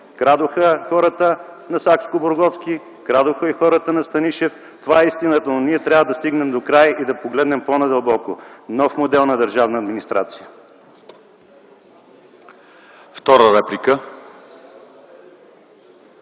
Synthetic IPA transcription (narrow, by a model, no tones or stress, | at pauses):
kɾad̪oxəxɔɾət̪ənɐsakskoboɾɡɔfskʲi | kɾad̪ʊxəixɔɾət̪ənɐst̪ɐniʃɛf | t̪ovaɛist̪inət̪ənniɛt̪ɾʲavəd̪ɐst̪iɡnɛmd̪okɾajid̪ɐpoɡlɛd̪nɛmponɛd̪əlˠbɔkonɔfmod̪ɛlˠnɐd̪əɾʒavnəɐd̪minist̪ɾat̪sijə | ft̪ɔɾəɾɛplikə